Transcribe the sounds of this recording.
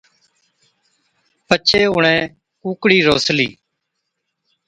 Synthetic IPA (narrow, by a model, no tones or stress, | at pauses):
pət͡ʃʰeːɦʊɳẽː | kuːkɽiːɾoːslḭː